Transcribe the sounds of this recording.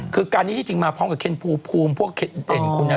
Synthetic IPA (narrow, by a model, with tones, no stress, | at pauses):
kʰɯː˧kaː˧ni˦˥t̪ʰiː˥˩t͡ɕi˧ŋmaː˧pʰɔː˦˥mka˨˩kʰe˧˩npʰuː˧˩pʰuː˧mpʰu˥˩əkʰe˧tde˨˩nkʰu˧nːa˧